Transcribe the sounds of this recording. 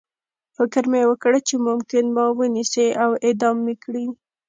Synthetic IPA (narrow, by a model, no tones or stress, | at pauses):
fɪkəɾmeewəkəɽet͡ʃemʊmkɪnmɑwəniseʔawed̪ɑmːekɽi